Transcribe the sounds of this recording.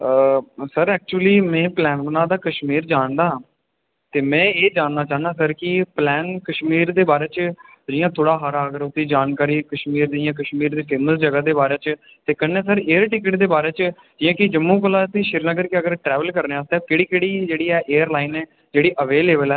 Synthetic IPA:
səɾɛːk̚t͡ʃuəliːmɛ̃ːplɛːnbənãːd̪aːkəʃmiːɾd͡ʒaːnd̪aː | t̪eːmɛ̃ːeːd͡ʒaːnnaːt͡ʃaːɦnd̪aːs̬əɾkɪplɛːnkəʃmiːɾd̪eːbaːɾeːt͡ʃ | d͡ʒɪjãːt̪ʰoːɽaːɦaɾaːɡəɾʊt̪ːiːd͡ʒaːnkaːɾiːkəʃmiːɾd̪ɪjãːkəʃmiːɾd̪eːfʰeːməsd͡ʒəɡaːd̪eːbaːɾeːt͡ʃ | t̪eːkənːeɛːsəɾeːəɾʈɪkɪʈd̪eːbaːɾeːt͡ʃ | d͡ʒɪjãːkɪd͡ʒəmːũːk̬əlãːt̪ẽːʃɪɾnəɡəɾkɪəɡəɾʈɾɛːʋəlkəɾneːaːst̪ɛːpɪɽiːkeːɽiːd͡ʒeːɽiːɛːʔeːəɾlaːɪnɛː | d͡ʒeːɽiːʔəʋeːleːbəlɛː

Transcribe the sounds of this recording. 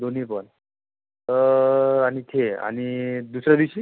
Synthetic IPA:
d̪on̤ipən | aɽ̃it̪ʰea̰ɽ̃id̪usɾjad̪iwɕiː

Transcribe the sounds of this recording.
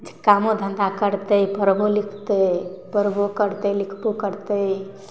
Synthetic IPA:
d͡ʒkamod̪ʱə̃nd̪akəɾt̪əjpəɾbʱolikʰt̪əpəɾbʱokəɾt̪əlikʰpukəɾt̪əj

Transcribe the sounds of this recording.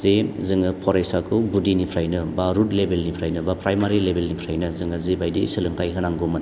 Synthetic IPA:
zezɯŋɯpʰɔɾejsakʰɯwbudinipʰɾajnɯbaɾutlebelnipʰɾajnɯbapɾajmaɾilebelnipʰɾajnɯzɯŋazebajdisɯlɯŋkajɦɯnaŋɡomɯn

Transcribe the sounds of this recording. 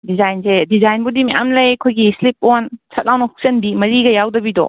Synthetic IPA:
dizajnsedizajnbudimeja̰mlɐjkʰojɡislip̚onsʰɐt̚lawnɐhuk̚sɐnbimɐɾiɡɐjawdɐbidɔ̰

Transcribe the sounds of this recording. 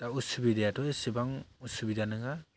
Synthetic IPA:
d̥ausubidejatʰɔjsibaŋusubidanɯŋa

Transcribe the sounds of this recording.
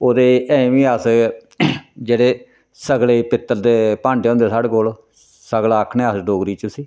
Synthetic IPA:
oːd̪eːɛ̃ːʋĩːəs | d͡ʒeːɽeː | səɡleːpɪt̪ːəɾd̪eːpãːɳɖeõːnd̪eːsaːɽeːkoːl | səɡlaːəkʰneːəsɖoːɡɾiːt͡ʃəsiː

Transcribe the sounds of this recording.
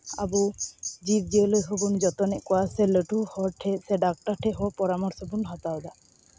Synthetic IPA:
a̰bud͡ʒib̚d͡ʒelojɦobund͡ʒɔt̪ɔneʔkwaseləʈuhɔʈʰeseɖak̚ʈaɾʈʰeɦɔpɔɾamɔɾsɔbunɦɔt̪awd̪a

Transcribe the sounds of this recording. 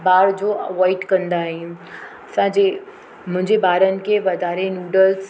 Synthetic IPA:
baːɾd͡ʑoːʋaːɪʈkɐ̃nd̪aːɦĩ | ɐsãd͡ʑeː | mʊ̃ɦɪ̃ɲd͡ʑebaːɾənɪ̆keʋɐd̪ʱaːɾenjuːɖəls

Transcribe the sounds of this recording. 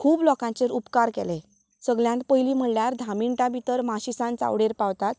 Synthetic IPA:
kʰuːblɔkãt͡ɕeɾupkaɾkɛle | səɡljãnt̪pəjliːm̤əɽljaɾd̪ʱamiɳʈãbʱit̪əɾmaɕisãnt͡sa̰wɽeɾpawt̪at̪̚

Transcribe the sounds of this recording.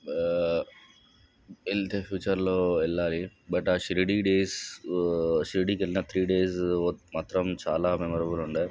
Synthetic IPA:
elt̪eːfʰjuːt͡ʃɐɾloːɛlːaːlibɐʈaːʃɾiɖiːɖeːs | ʃɾiɖikelːinɐt̪ʰɾiːɖeːsomaːt̪ɾɐmt͡ʃa̰ːlaːmɛmɔɾɐbuluɳɖeː

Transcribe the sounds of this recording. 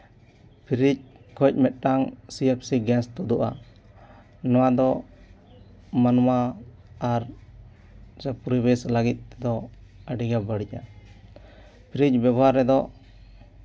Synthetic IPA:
pʰiɾic̚kɔc̚ˀmɛt̪̚ˀʈaŋsiɛp̚siɡɛnst̪ɔd̪uʔa̰ | nɔwad̪ɔ | manmaː | ɾ | sɛpuɾibɛslaɡit̪̚ˀt̪ɛd̪ɔəɖiɡabəɽica | pʰiɾic̚babɔɦaɾːɛd̪ɔ

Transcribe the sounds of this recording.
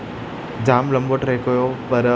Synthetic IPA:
d͡ʑaːmlɐ̃mboʈɾeːkojoːpɐɾ

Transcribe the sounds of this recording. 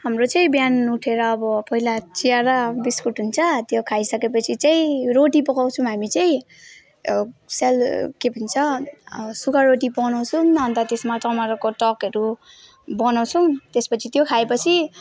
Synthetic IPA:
hamrot͡sʌĩbjanuʈʰeɾʌːbʌpʌɦilat͡sijaɾabiskuʈɦunt͡sʰʌt̪jokʰajsʌkepʌt͡sʰit͡saĩɾoʈipʌkaw̃t͡sʰuw̃ɦamit͡saj̃ | selkepʌnit͡sʰʌ | sukaɾoʈipʌnaw̃t͡sʰumɦʌnt̪at̪esmaʈamaɾkoʈʌkɦʌɾu | bʌnaw̃t͡sʰumt̪espʌt͡sʰit̪jokʰaepʌt͡sʰi

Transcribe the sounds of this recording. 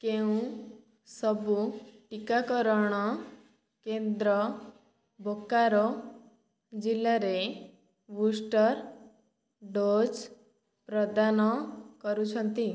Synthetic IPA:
keũ | sɔbuʈikakɔɾɔɽ̃ɔ | kend̪ɾɔ | bʱokːaɾɔ | d͡ʒilːaɾe | busʈɔɾ | ɖod͡ʒ | pɾɔd̪anɔkɔɾut͡ʃʰɔnt̪i

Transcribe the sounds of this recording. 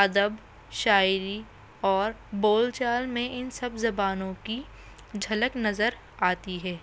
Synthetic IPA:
ɐd̪əb | ʃaːɪɾi | ɔːɾboːlt͡ʃaːlmẽʔɪnsɐbzɐbaːnõki | d͡ʒʱɐləknɐzəɾ | aːt̪iɦɛː

